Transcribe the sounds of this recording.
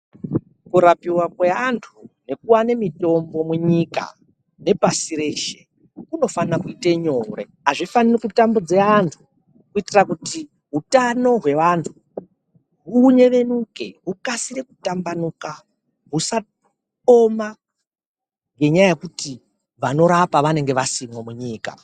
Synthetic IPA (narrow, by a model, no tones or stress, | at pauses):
kuɾapiwakwe̞antʰune̞kuwanemito̞mbo̞muɲika̰ | ne̞pasiɾe̞ʃe | uno̞faakuiteɲore | aʐifanirikutambud͡ziaːntʰu | kuitirakuti | ɦutano̞ɦwe̞ʋantʰu | ɦuɲe̞ʋe̞nuke̞ɦukasirekutambanuka | ɦusa | o̞ma | ŋɡe̞ɲajaje̞kuti | ʋano̞ɾapaʋane̞ŋɡe̞ʋasimwemuɲiːka̰